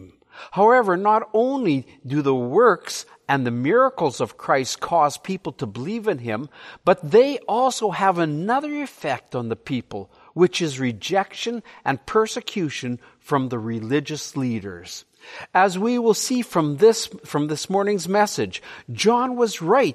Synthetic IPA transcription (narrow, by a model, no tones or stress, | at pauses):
haʊɛvə˞nəɾõʊ̃nli | dɨðəwɜ˞ks | ɨ̃nðɨmɪɹəkl̩ˠzʌv̥kʰɹ̥aɪstkʰɔz̥pʰipl̩ˠtʰəbəlivɨ̃nɪ̰̃mb̥ʌt̪̚ðeɪʔɔlˠsoʊəvɨnʌðə˞ɨfɛk̚tn̩ðɨpʰipl̩ˠ | wɨt͡ʃɨzɹɨd͡ʒɛkʃɨ̃nʔɨ̰̃npʰɜ˞sɨkʰj̥ʉʃɨ̃n | fɹʌ̃mðɨɹɪlɪd͡ʒɨsliɾə̰˞z̥ | ɨzwiwɪlˠsifɹʌ̃mðɪsfɹʌ̃mðɪsmɔɹnɪ̃ŋzmɛsɨd͡ʒd͡ʒɑ̃nwʌzɹaɪt̚